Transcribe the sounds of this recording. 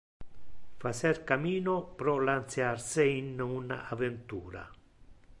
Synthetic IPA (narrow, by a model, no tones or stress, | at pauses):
fasɛɾkamiːnopɾɔlant̪sjaɾseinuna̰ʔavent̪uːɾa̰